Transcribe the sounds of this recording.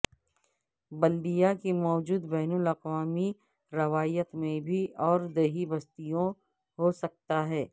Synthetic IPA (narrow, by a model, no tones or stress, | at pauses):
bɐlɖ̪ijakimɔːd͡ʒuːd̪bɛːnʊlɐqwaːmi | ɾɐʋaːjət̪mẽbʱiʔɔːɾd̪ɐɦibɐst̪ijõ | ɦosɐk̚t̪aɦɛː